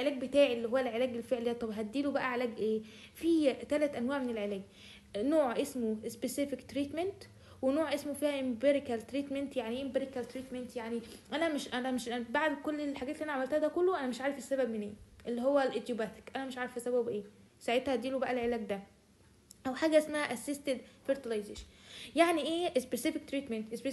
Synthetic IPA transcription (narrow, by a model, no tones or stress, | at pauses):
elʕelæːɡ̚bet̪aːʕilːiɦowːælʕelæːɡelfeʕlid̪æt̪ˤɑbɦæt̪̚d̪ːiːlobæʔæʕelæːɡʔeːfiːt̪ælæt̪ʔænwaːʕmenelʕelæːɡ | noːʕʔesmoespesefekt̪ɾiːt̪ment̪ | wenoːʕʔesmofiːhæʔembeɾekælt̪ɾiːt̪ment̪jaʕniʔembeɾikælt̪ɾiːt̪ment̪jaʕniʔænæmeʃʔænæmeʃbaʕd̪kolːelħaɡæːt̪liʔænʕamælt̪æhæd̪ækolːoʔænæmeʃʕaːɾefesːæbæbmenʔḛːʔelːiɦowːælʔed̪jobæt̪e̥kʔænæmeʃʕaːɾefesːæbæbʔeː | saʕet̪hæd̪iːlobæʔælʕelæːɡd̪æ | ʔæwħaːɡæʔesmæhæʔæsest̪ed̪feɾt̪ilɑjzeːʃænjaʕniʔeːʔespesefik̚t̪ɾiːt̪ment̪ʔese